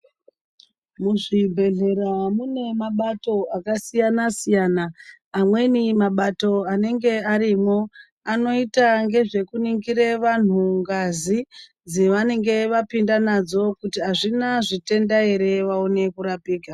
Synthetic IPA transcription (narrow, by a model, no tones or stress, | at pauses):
muʐibʱe̞ɮe̞ɾamune̞maɓato̞akasijanasijanaː | mwe̞nimaɓato̞ane̞ŋɡe̞aɾimo̞ | ano̞itaŋɡe̞ʐe̞kuniŋɡiɾeʋan̤uŋɡazi | d͡ziʋane̞ŋɡe̞ʋapindanad͡zo̞kutiɦaʐinaʐite̞ndaeɾe̞ʋaone̞kuɾapiːɡʱa